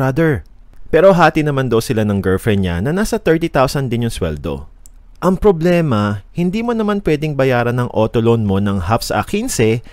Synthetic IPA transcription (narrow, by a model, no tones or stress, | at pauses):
ad̪ɛɹ | pɛːɾo̞ɦaːt̪inɐmand̪owsɪlanɐŋɡɛlfɾɛɲa̰nɐnaːsɐt̪ɛɹt̪it̪awsɐnd̪ɪnjʊŋswɛ̰ld̪o̞̰ | ʔɐŋpɾoblɛːmɐhɪnd̪iːmonɐmanpwɛd̪ɪŋbɐjaːɾɐnɐŋʔoːt̪olonmo̞nɐŋɦafsʔɐ̰kinsɛ